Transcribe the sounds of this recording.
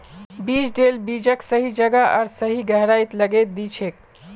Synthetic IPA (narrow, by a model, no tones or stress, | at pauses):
bid͡ʒɖelbid͡ʒəksəɦid͡ʒəɡaəɾsəɦiɡəɦɾait̪ləɡet̪̚d̪it͡ʃʰek̚